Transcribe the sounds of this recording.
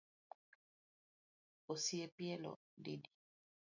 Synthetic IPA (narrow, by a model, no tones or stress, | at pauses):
osiɛpjɛlɔ̰ | dedi